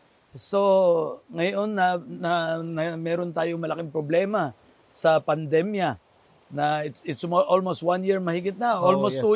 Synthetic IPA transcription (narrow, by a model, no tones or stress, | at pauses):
so̞ŋɐjonːɐnɐnɐmɛːɾont̪aːjoŋmɐlɐkɪŋpɾoblɛːma | sɐpɐnd̪ɛmja | nɐɪt̪ɪt̪smoʔolmost̪̚wanjiɹmɐhɪɡɪt̪̚naolmostt̪u